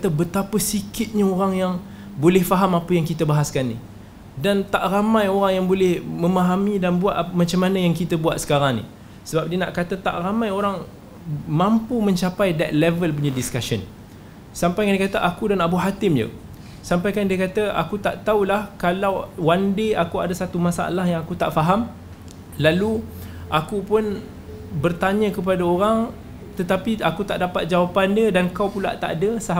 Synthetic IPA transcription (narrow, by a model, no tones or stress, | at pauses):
kat̪əbət̪apəsikɪt̪̚ɲaoɾaŋjaŋ | bolɛhfaɦamapəjaŋkit̪əbaɦaskanːḭ | dant̪aʔramãjoɾaŋjaŋbolɛhmə̃maɦamidanbuat̪mat͡ʃamːanəjaŋkit̪əbuat̪̚sə̥kaɾaŋnḭ | səbap̚diəna̰ʔkat̪ət̪a̰ʔramãjoɾaŋ | mãmpumə̃ɲt͡ʃapajdɛt̪̚lɛvəlp̬uɲadiskaʃən | sampajkaŋniəkat̪aʔakudanabuɦat̪ɪmjə̰ | sampajkandiəkat̪aa̰kut̪aʔt̪aulahkalawwandeakuadasat̪umasa̰a̰lahjaŋakut̪aʔfaɦam | laluʔakupʊn | bərt̪aɲə̃kəp̬adaoɾaŋ | t̪ət̪apiakut̪aʔdapat̪̚d͡ʒawapandədankawpula̰ʔt̪a̰ʔadəsaɦ